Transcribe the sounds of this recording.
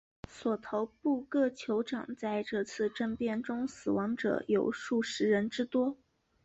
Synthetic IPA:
swɔ˨˩t̪ʰo˧˥ʊpu˥˧kɤ˥˩t͡ɕʰjo˧˥ʊʈ͡ʂɑ̰˨˩ŋt͡sa˥˧ɪʈ͡ʂɤ˥˧t͡sʰɹ̩˥˧ʈ͡ʂə˥˧npjɛ˥˩nʈ͡ʂʊ˥ŋsɹ̩˨˩wɑ˧˥ŋʈ͡ʂɤ̰˨˩jo˨˩ʊʂu˥˩ʂɻ̩˧˥ɻə˧˥nʈ͡ʂɻ̩˥t̪wɔ˥

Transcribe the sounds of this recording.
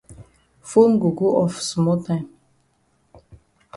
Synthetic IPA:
fu˦nɡu˨ɡu˦ʔɔ˨fsmɔ˦tã˦m

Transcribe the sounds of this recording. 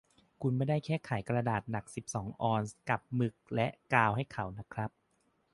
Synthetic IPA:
kʰu˧nmaː˧˩da˥˩jkʰɛː˥˩kʰa˩˦jkɾa˧daː˨˩t̪̚na˨˩k̚si˨˩p̚sɔː˩˦ŋʔɔː˧nska˨˩p̚mɯ˨˩k̚lɛ˦˥ʔkaː˧wɦa˥˩jkʰa˩˦wna˦˥kʰɾa˦˥p̚

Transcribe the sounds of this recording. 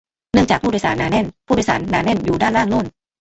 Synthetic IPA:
nɯ˥˩ŋt͡ɕaː˨˩pʰuː˥˩˧sa̰ː˩˦nːaː˧˦nɛ˥˩npʰuː˥˩˧sa̰ː˩˦nːaː˨˧˥nɛ˥˩njuː˨˩daː˥˩nɾaː˥˩ŋlu˥˩ən

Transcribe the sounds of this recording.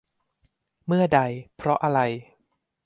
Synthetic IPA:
mɯ˥˩ɐda˧jpʰɾɔ˦˥ʔa˧ɾa˧j

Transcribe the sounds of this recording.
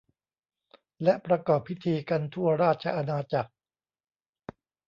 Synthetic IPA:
lɛ˦˥ʔpɾa˧kɔː˨˩pʰːi˦˥t̪ʰiː˧ka˧nt̪ʰu˥˩ɐɾaː˥˩t̪̚t͡ɕʰa̰˧ʔa˧naː˧t͡ɕa˨˩k̚

